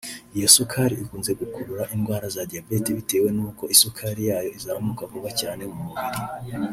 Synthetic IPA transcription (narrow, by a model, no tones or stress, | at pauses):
ijo̞sukʰaɾiikuːnze̞ɡukʰuɾuɾaʔinɡwaːɾazadiabe̞tiβite̞ːwe̞nuːko̞ʔisukʰaɾijaːjo̞izahamukakuβacaːne̞mumuβiɾi